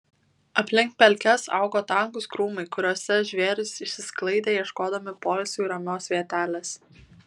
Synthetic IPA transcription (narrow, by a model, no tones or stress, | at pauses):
ɐpʲlʲɪŋk̚pʲɛlʲkʲɛsɑ̰ˑʊɡoːt̪ɐˑŋkʊskɾuːmɐɪkʊɾʲuɔsʲɛʒʲʋʲeːɾʲʊsɪʃʲsʲɪsklˠɐɪd̪ʲeːjɛʃkoːd̪ɐmʲɪpoːlʲsʲuːɪɾɐmʲoːsʋʲiɛt̪ʲæːlʲɛs